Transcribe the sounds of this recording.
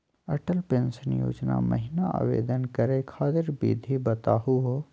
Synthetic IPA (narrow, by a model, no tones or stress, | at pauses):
ɐʈəlpẽːnsənjo̰ːd͡ʒna̰mə̰ɦɪnaa̰ːʋḛːd̪ənkəɾekʰaːt̪ɪɾbḭd̪ʱibət̪aːɦuɦo